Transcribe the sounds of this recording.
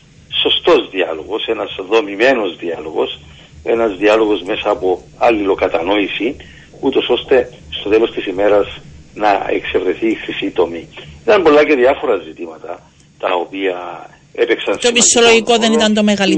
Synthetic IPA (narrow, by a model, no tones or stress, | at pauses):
so̞st̪o̞zðiɐlo̞̰ɣo̞senɐzðo̞mime̞no̞zðiɐlo̞ɣo̞̰s | e̞nɐzðiɐlo̞ɣo̞zme̞sɐːpo̞ | ɐlːilo̞kɐt̪ɐno̞isi | ut̪o̞so̞st̪e̞ | st̪ot̪e̞lo̞st̪isime̞ɾɐznɐ̰ḛkse̞vɾe̞θiːxɾisit̪o̞miit̪ɐmbo̞lːɐce̞ðiɐfo̞ɾɐzit̪imɐt̪ɐ̰ | t̪ɐopiɐ | epeksɐnst̪omisoloʝikoðenit̪ɐnt̪omeɣɐli